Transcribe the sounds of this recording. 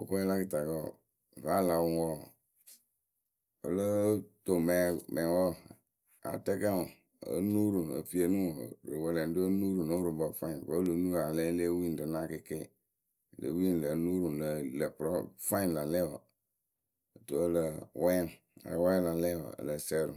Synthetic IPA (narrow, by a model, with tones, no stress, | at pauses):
o˨ko˦la˦ki˨ta˨kɔ˦˨ | va˦la˨wu˦wɔ˦˨ | ə̰˨lə˦to˨mɛ˨mɛ̃˨wɔ˦˨ | a̰˨tɛ˦ka˦u˨ | ə̰˨˦nu˦ɾu˨ə̰˨fi˨e˨nũ˦˨ɾɨ˨wɛ˨lɛ˨n˦do˦nu˦ɾu˨no˦ɾu˨bɔ˨fã˦ĩ˨ko˦lo˨˦nu˦a˨lɛ˦le˦wi˦n˨dɨ˨na˦˨ke˨ke˦˨ | lə̰˨˦wi˦˨lə˨˦nu˦ɾu˨lə˨lə˨pɾɔ˦fa˦ĩ˦˨la˨lɛ˦˨wɔ̰˨ | to˨˦ə˦˨lə˨wɛ˦˨ | a̰˨˦wã˦la˨lɛ˦wɔ̰˨ə̰˨lə˨sɛ˦ɾṵ˨